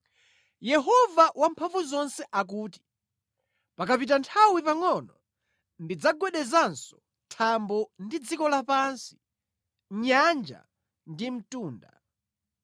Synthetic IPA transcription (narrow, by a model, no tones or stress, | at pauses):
jɛɦɔvaʔwampʰaɱvuzɔnsɛʔak̬uːti̥ | pakapit̬antʰawipaŋɔnɔ | ndid͡zaɡwɛɗɛzansɔ̥ | tʰambɔndid͡zikɔlapansi̥ | ɲand͡ʒa̰ | ndim̩tuːnda̰